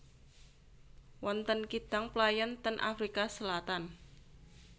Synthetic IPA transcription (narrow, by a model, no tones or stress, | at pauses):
wɔnt̪ənkid̪̥aŋplajɔnt̪ənʔa̰fɾikasəlat̪an